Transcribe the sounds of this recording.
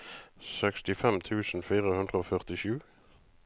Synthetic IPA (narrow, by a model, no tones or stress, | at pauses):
sɛkst̪ɪfɛmt̪ʰʉːsn̩fiːʁəhʉnd̪ʁəoːfœʁt̪ɪʃʉː